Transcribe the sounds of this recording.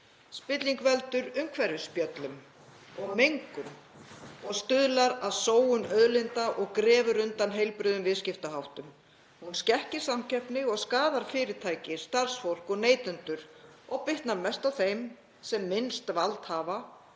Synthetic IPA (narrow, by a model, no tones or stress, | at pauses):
spɪt̪liŋkvɛlt̪ʏɾʏmkʰvɛɾʏspjœt̪lʏm | ɔɣmejŋkʏm | ɔɣst̪ʏðlaɾaðsoːwʏnœðlɪnt̪aʔɔɣkɾɛːvʏɾʏnt̪anɦejlpɾʏðʏmvɪðscɪft̪aɦawht̪ʏm | hunscɛhcɪɾ̥samcʰɛhpnɪɔɣskaːðaɾ̥fɪːɾɪt̪ʰaːjcɪ̥st̪ar̥sfowl̥kɔɣneːjt̪ʏnt̪ʏɾ̥ | ɔɣpɪht̪naɾmɛst̪awθejm | sɛmːɪnst̪valt̪haːva